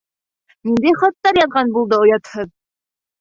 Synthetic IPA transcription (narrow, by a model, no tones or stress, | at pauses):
nind̪ejχɑt̪ːɑɾjɑðʁɑnbulˠd̪ɤŏjɑt̪hɤð